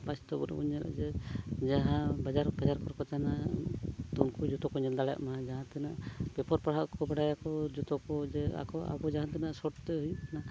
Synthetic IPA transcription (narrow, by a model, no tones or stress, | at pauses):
bast̪ɔbɔ̰ɾɔ̰ṵɲɛɾʔa̰d͡ʒɛd͡ʒaɦãbad͡ʒaɾbad͡ʒaɾkɔɾkɔt̪ana | t̪unkud͡ʒut̪ɔkɔɲɛnd̪alɛ̰ʔmad͡ʒaɦãt̪ɛna̰ʔbɛpɔɾpaɽ̤aʔkɔbaɽajakɔd͡ʒut̪ɔkɔd͡ʒɛa̰kɔa̰bɔd͡ʒaɦãt̪ɛnaʔsɔʈt̪ɛɦujukana